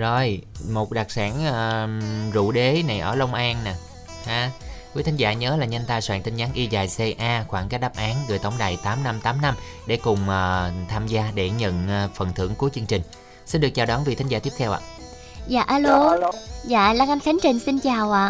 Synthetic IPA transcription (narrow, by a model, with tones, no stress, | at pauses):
zɔ˧˩jmo˨˩t̚ɗa˨˩k̚saː˧˩nəː˨˧˩zṵ˧˨ɗe˨˦na˨˩jʔə̰ː˧˩lə˧wŋ͡mʔaː˧nnaː˨˩ | haː˨˦kwi˨˦t̪ʰa˨˦nzaː˧˩ɲəː˨˦laː˨˩ɲə˧nt̪aː˧jswa̰ː˧˩ŋt̪i˧ŋ̟ɲaː˨˦nʔi˧zaː˨˩jse˧ʔaː˧xwaː˧˩ŋkaː˦˥k̚ɗaː˦˥p̚ʔaː˨˦nɣɨː˨˩jt̪ə˨˦wŋ͡mɗa̰ː˧˨jt̪aː˨˦mna˧mt̪aː˨˦mna˧m | ɗe˧˩kʊ˨˩ŋ͡mʔəː˨˩t̪ʰaː˧mzaː˧ɗe˧˩ɲə̰˧˨nː˨˩fə˨˩nt̪ʰɨ̰˧˩əŋku˨˦jt͡ɕɨ˧əŋt͡ɕï˨˩ŋ̟ | si˧nɗɨ˨˩ək̚t͡ɕaː˨˩wɗɔ˨˦nvḭ˨˩t̪ʰa˨˦ŋzaː˧t̪i˦˥p̚t̪ʰwʔa̰ː˧˨ | za̰ː˧˨ʔaː˧lo˧za̰ː˧˨ʔlaː˧ŋʔa˧nka˨˦nt͡ɕï˨˩ŋ̟si˧nt͡ɕaː˨˩wʔaː˧˨